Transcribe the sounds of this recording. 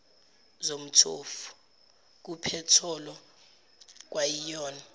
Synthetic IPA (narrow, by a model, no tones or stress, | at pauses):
zom̩tʰo̰fu̥ | k̬upʰɛtʰɔlɔ | k̬wajijɔːna